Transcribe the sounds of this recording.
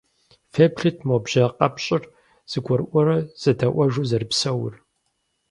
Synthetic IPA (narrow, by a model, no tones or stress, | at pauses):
fepɬɨtʰmobʒɐqʼɐpɕʼɪr | z̥ɨɡʷɔrʔʷɔɾɐz̥ɐdɐʔʷɐʒuːzɐrɨpsɐwʊ̰r